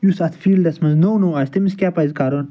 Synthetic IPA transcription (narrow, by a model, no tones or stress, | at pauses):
jusat̪ʰfiːld̪ɐsmɐznownowaːsʲt̪emiskʲaːpajzkaɾon